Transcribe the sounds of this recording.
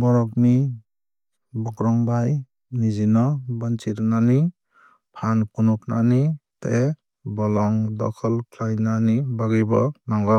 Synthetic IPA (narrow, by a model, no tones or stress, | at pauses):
bɔɾɔkni | bɔkɾɔŋbaj | nizinɔbant͡ʃiɾnani | pʰankunup̚nanite | bɔlɔŋdɔkʰɔlkʰlajnanibaɡijbɔnaŋɡɔ